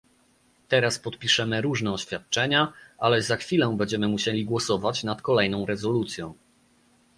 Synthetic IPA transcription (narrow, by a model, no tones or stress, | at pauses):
t̪ɛɾaspɔt̪pʲiʂɛmɘɾuʐnɛɔɕfʲjat̪̚t͡ʂɛɲaʔalɛzaxfʲilɛ̃bɛɲd͡ʑɛmɘmuɕelʲiɡwɔsɔvat͡ɕnat̪kɔlɛjnɔ̃w̃ɾɛzɔlut̪sʲjɔ̃w̃